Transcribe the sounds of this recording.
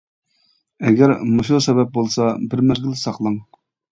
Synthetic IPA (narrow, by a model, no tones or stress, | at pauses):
ɛɡʲɛɾmoʃlsɛbɛp̚bolˠsɑbɪɾmæzɡʲilɪsɑqlˠɑŋ